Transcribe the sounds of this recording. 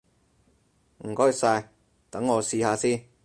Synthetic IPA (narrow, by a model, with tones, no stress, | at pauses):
m̩˨˩kɔː˥jsaː˧j | t̪ɐ˨˥ŋːɔː˨˧siː˧haː˧siː˥n